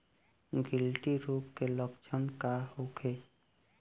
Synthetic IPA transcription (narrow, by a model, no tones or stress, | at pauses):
ɡɪlʈiɾuːpkeləkt͡ʃʰənkaɦokʰe